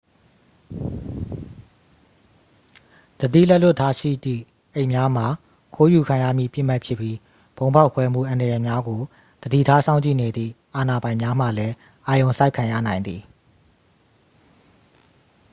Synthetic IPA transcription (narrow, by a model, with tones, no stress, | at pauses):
d̪̥ədḭ˦˨lɛ˦ʔlʊ˦˨tʰːa˦ʃḭ˦˨d̪ḭ˦˨ | ʔe˦˨ɪ̃mja˦m̥a˨ | kʰo˦ju˨kʰã˨jä̰˦˨mjḭ˦˨pjɪ̰˦˨m̥a˦ʔpʰjɪ˦ʔpːji˦ | b̥õ˦ʊ̃mpʰa˦ʊkʰwɛ˦m̥ṵ˦˨ʔã˨ndə˨jɛ˨mja˦ɡo˨ | d̪̥ədḭ˦˨tʰa˦sʰã˦ʊ̃ɲt͡ɕḭ˦˨ne˨d̪ðḭ˦˨ʔa˨na˨bã˨ɪ̃mja˦m̥a̰˦˨lɛ˦ | ʔa˨jõ˨ʊ̃sʰa˦ɪʔkʰːã˨ja̰˦˨nã˨ɪ̃nd̪i˨